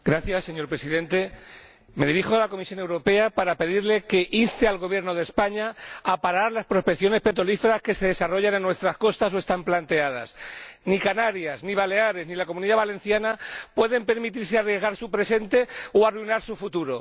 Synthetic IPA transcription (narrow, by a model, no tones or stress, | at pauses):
ɡɾaθjasːe̞ɲo̞ɾpɾesiðẽ̞nt̪e̞ | me̞ðiɾixoalako̞misjo̞newɾo̞pe̞apaɾape̞ðiɾle̞ke̞ʔinst̪ealɣ̞oβje̞ɾno̞ð̞e̞spaɲaapaɾaɾlaspɾo̞speθjo̞ne̞spe̞t̪̬ɾo̞life̞ɾaske̞se̞ðe̞saro̞ʝanẽnːwe̞st̪ɾasko̞st̪aso̞e̞st̪amplant̪e̞að̞a̰snikanaɾjazniβ̞ale̞aɾe̞znilako̞mũniðaβale̞n̟θjanapwe̞ðe̞mpe̞ɾmit̪̬iɾsearje̞zɣ̞aɾsupɾe̞se̞nt̪e̞oaruijnaɾsufut̪uɾo̞̰